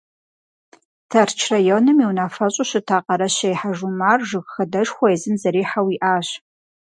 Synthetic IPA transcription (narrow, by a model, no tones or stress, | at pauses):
tʰɐrt͡ʃʰrajoːnɨmiwnaːfɐɕʼʊɕɨtʰaːqɐɾɐɕɐjħaʒumaːrʒɨɣxɐdɐʒxʷɔɛzɨnzɐɾiːħawiːʔaːɕ